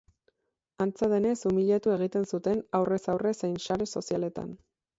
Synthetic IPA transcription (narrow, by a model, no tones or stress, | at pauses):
ant͡saðe̞ne̞sumiʎe̞t̪ue̞ɣ̞it̪e̞nsut̪e̞nawre̞sawre̞sejnʃaɾe̞so̞siale̞t̪a̰n